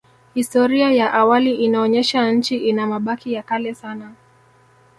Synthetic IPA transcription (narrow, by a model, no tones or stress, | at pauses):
histɔɾiajaʔawaliʔinaɔɲɛʃaɲ̩t͡ʃiʔinamaɓakijakalɛsana